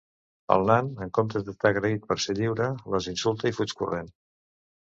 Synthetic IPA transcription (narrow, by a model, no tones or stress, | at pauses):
ə̰lˠnanəŋkomt̪əd̪əst̪aːɣɾəit̪̚pəɾseʎiwɾələzinsulˠt̪əifut͡ʃkṵren